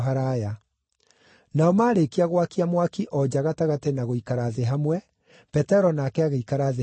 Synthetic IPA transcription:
ɦaɾaja | naɔmaːɾekiaɣwakiamwakiʔɔd͡ʒaɣataɣatenaɣoikaɾaðeɦamwɛ | pɛtɛɾɔnakɛaɣaikaɾaðe

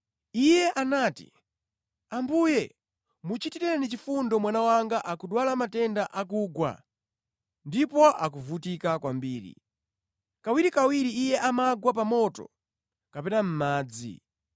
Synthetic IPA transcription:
ijɛʔanaːtḭ | ambuːjɛ | mut͡ʃitiɾɛɾanit͡ʃifundɔmwanawaŋɡaʔakuɗwalamatɛndaʔakuːɡwa̰ | ndipɔʔak̬uvutikakwambiːɾḭ | kawiɾikawiɾiːjɛʔamaɡwapamɔtɔ̰ | kapɛnam̩maːd͡zḭ

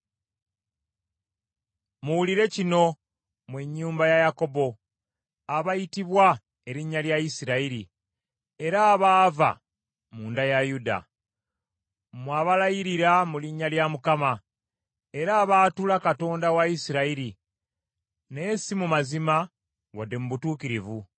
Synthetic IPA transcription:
muwuliɾe̞cino̞ | mweɲːuːmbajajako̞bo̞ | aβajitiβwa | e̞ɾiɲːaljaisiɾaiɾi | e̞ɾaːβaːva̰ | muːndajajuda̰ | mwaːβalajiɾiɾamuliɲːaljamukama | e̞ɾaːβaːtulakato̞ːndawaisiɾaiɾi | ne̞simumazima | wadːe̞muβutuːkiɾivu

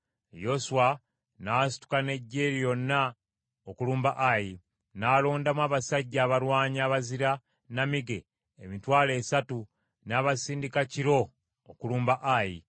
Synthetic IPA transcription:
jo̞suwa | naːs̬i̥tu̥kane̞ɟːe̞ːɾijo̞nːa | okuluːmbaʔaji | naːloːndamwaːβasaɟːaːβaɾwaːɲaːβaziɾa | namiɡe̞ | emitwaːle̞ːsatu | naːβasiːndikaciɾo̞ː | kuluːmbaʔaji

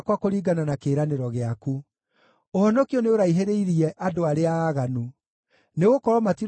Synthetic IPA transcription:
kwakoɾiːɡananakeːɾaneɾɔɣeaku | ohɔnɔkiɔneoɾaiɦeɾeiɾiɛʔadoaɾeaːɣanu | neɣokɔɾɔmati

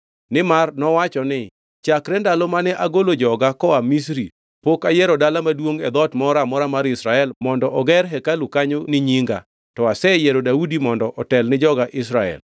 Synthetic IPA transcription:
nɪmarnɔwat͡ʃɔnɪ | t͡ʃakɾɛndalɔmanɛʔaɡolod͡ʒɔɡakɔamis̬ɾi | pokajɛɾɔdalamadwoŋɛd̪ɔtmɔɾamɔɾamaɾɪsɾaɛlmɔndɔʔɔɡɛɾɦɛkalukaɲonɪɲiŋɡa̰ | tɔasɛjɛɾodaudimɔndɔʔɔtɛlnɪd͡ʒɔɡaʔɪsɾaɛ̰l

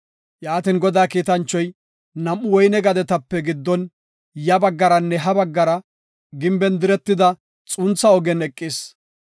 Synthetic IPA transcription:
jaːt̪ɪnɡɔd̪aːkiːt̪ɐnt͡ʃːɔj | nɐmːʊwɔjnɛɡɐd̪ɛt̪ɐpːɛɡɪd̪ːɔn | jɐbɐɡːɐɾɐnːɛɦɐbɐɡːɐɾɐ | ɡɪmbɛnd̪ɪɾɛt̪ːɪd̪ɐ | t͡sʼʊnt͡sːɐɔɡɛnɛkʼːɪs

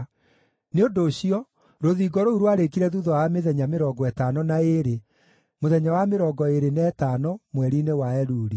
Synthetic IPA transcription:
neondoːɕiɔ | ɾoðiɡɔɾouɾwaɾekiɾɛðuðɔameðɛɲameɾɔɡɔɛtanɔnaeɾe | moðɛɲawameɾɔɡɔeɾenɛtaːnɔmwɛɾinewaɛɾuːɾi

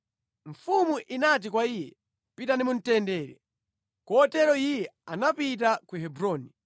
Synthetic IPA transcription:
ɱfumuʔinat̬ikwaijɛ̰ | pitanimun̩tɛndɛːɾɛ̰ | kɔtɛɾɔijɛanapit̬akuɦɛbɾɔːni

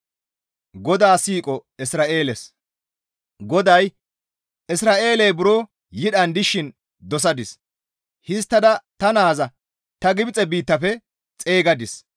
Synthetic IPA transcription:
ɡɔd̪aːsiːkʼɔɪsɾaːʔe̞ːlɛs | ɡɔd̪ɐj | ʔɪsɾaːʔe̞ːlɛjbʊɾoː | jɪɗɐnd̪ɪʃɪn | d̪ɔs̬ɐd̪ɪs | hɪs̬t̪ːɐd̪ɐt̪ɐnaːzɐ | t̪ɐɡɪbɪt͡sʼɛbiːt̪ːɐfɛ | t͡sʼe̞ːɡɐd̪ɪs

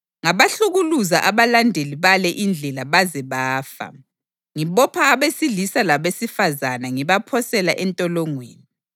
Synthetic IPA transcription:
ŋaβaɬuɣuluzaʔaβalandʱeliβalɛʔind͡ɮʱɛlaβazɛβaːfa̰ | ŋiβɔpʰaːβesilisalaβesifazanaŋiβapʰɔsɛlaʔɛntʼɔlɔŋweːni

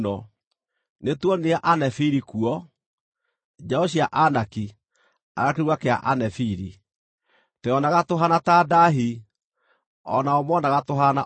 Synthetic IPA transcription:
nɔ | netwɔneaʔanɛfiɾikuɔ | d͡ʒaɔɕiaʔanaki | a̰ɣakeɾwakea̰ʔanɛfiɾi | tɛɔnaɣatoɦanatadaɦi | ɔ̰naɔmwɔnaɣatoɦana

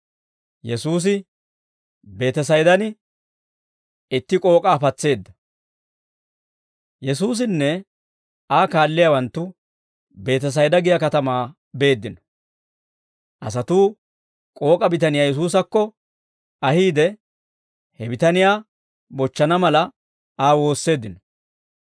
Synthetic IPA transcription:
jɛsuːs̬ɪ | be̞ːt̪ɛs̬ɐjd̪ɐnɪ | ɪt̪ːɪkʼo̞ːkʼaːpɐt͡sːe̞ːd̪ːɐ | jɛsuːs̬ɪnːɛ | aːkaːlːɪjawɐnt̪ːʊ | be̞ːt̪ɛs̬ɐjd̪ɐɡɪjɐkɐt̪ɐmaː | be̞ːd̪ːɪnɔ̥ | ʔɐsɐt̪uː | kʼo̞ːkʼɐbɪt̪ɐnɪjaːjɛs̬uːs̬ɐkːɔ | ɐhiːd̪ɛ | hɛbɪt̪ɐnɪjaː | bɔt͡ʃːɐnɐmɐlɐ | aːwo̞ːsːe̞ːd̪ːɪnɔ̥

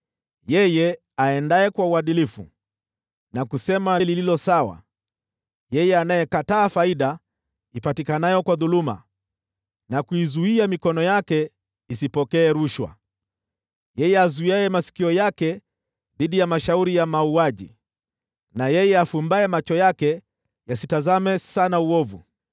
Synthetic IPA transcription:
jɛjɛ | aɛndaɛkwauaɗilifṵ | nakusɛmalililɔsawa̰ | jɛjɛanajɛkataːfaiɗa | ipatikanajɔkwaðuluma̰ | nakuizuiamikɔnɔjakɛ | isipɔkɛːɾuʃwa̰ | jɛjɛazuiaɛmasi̥kiɔjakɛ | ðiɗijamaʃauɾijamauaʄḭ | najɛjɛafumbaɛmat͡ʃɔjakɛ | jasitazamɛsanauɔvṵ

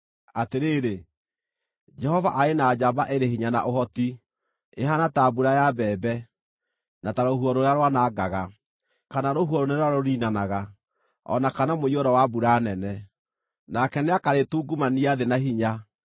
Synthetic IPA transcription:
ateɾeːɾe | d͡ʒɛhɔva̰ʔaenaːd͡ʒabaʔeɾehiɲana̰ʔohɔti | eɦanatabuɾajabɛːbɛ | nataɾohuɔɾoɾaɾwanaːɡaɣa | kanaɾoɦuɔɾoneɾaɾoɾiːnanaɣa | ɔ̰nakanamoiɔɾɔwabuɾanɛnɛ | nakɛneakaɾetuːɡumaniaðenaɦiɲa

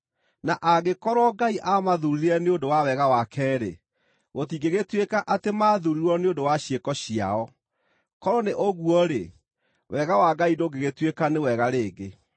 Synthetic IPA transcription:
naʔaɣekɔɾɔɡaiʔamaðuɾiɾɛneondowawɛɣawakʰɛːɾḛ | ɣotiɡeɣetwekaʔatemaðuɾiɾɔneondowaɕjekɔɕia̰ɔ | kɔɾɔneʔoɣuɔɾe | wɛɣawaɡaidoɡeɣetwekanewɛɣaɾeːɡe

